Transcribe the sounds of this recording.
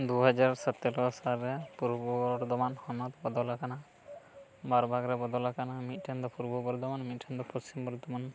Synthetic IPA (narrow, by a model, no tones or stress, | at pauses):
d̪uɦɔd͡ʒaɾsɔt̪ːelɔsalɾɛpuɾbɔbɔɾd̪ɔmanhɔnɔt̪bɔd̪ɔlakana | baɾbʱaɡɾɛbɔd̪ɔlakanamit̪̚ʈʰand̪ɔpuɾbɔbɔɾd̪ɔmanmit̪̚ʈʰand̪ɔpɔst͡ʃimbɔɾd̪ɔman